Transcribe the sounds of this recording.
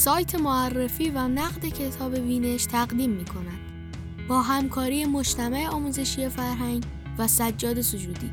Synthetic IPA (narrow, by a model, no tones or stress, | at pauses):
sɒːjt̪ʰe̞moærːe̞fiːvænæɣd̪e̞cʰe̞t̪ʰɒːbe̞viːne̞ʃt̪ʰæɣd̪iːmːiːkʰo̞nænd̪̥ | b̥ɒːɦæmkʰɒːɾiːje̞mo̞ʃt̪ʰæmæeɒːmuːze̞ʃije̞fæɾɦæŋɡ | væsæd͡ʒːɒːd̪e̞sod͡ʒuːd̪iː